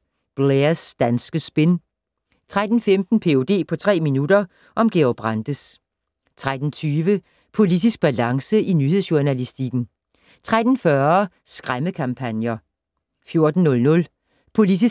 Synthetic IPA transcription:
b̥leɐsd̥ænsɡ̥əsb̥e̝n | t͡sʰʁad̥n̩femd̥n̩pʰe̝o̝d̥e̝̰ːpʰɒ̽t͡sʰʁɛ̰ːminudɐ | ʔɒ̽mɡ̥e̝ɒb̥ʁɑnd̥əs | t͡sʰʁad̥n̩t͡sʰyːʋə | pʰo̝lid̥isɡ̥̚b̥ælɑ̈ŋsəʔinyheðˠsjuɐnælisd̥iɡ̥n̩ | t͡sʰʁad̥n̩fɶɐ | sɡ̥ʁaməkʰɑ̈mpʰænjɐ | fjo̝ɐd̥n̩ːɔ̽lnɔ̽l | pʰo̝lid̥is

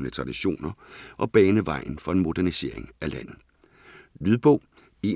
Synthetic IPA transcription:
nət͡sʰʁɑ̈d̥iɕo̝̰ːnɐʔɒ̽b̥ɛːnəʋɑ̈ɪ̰n̩fɒ̽e̝nmo̝d̥æɐnise̝̰ɐ̰e̝ŋælæn̰ð̩ˠ | lyðˠb̥ɔ̽ʊ̰ | e̝

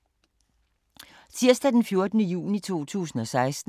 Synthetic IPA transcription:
t͡sʰiɐ̰sd̥æd̥enfjo̝ɐd̥ənəjṵːnit͡sʰo̝̰ːt͡sʰṵːsn̩ɒ̽sɑ̈ɪsd̥n̩

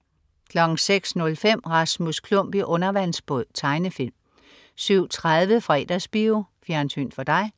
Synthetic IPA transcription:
kʰlɒ̽ɡ̥ŋ̩seɡ̥snɔ̽lfem̰ʁɑ̈smuskʰlɔm̰b̥iʔɔ̽nɐʋæn̰sb̥ɔð̰ˠt͡sʰɑ̈ɪnəfil̰m | syʊ̰t͡sʰʁaðˠʋəfʁɛ̰ːd̥æsb̥iofjæɐnsʰy̰ːnd̥fɒd̥ɑ̈ɪ

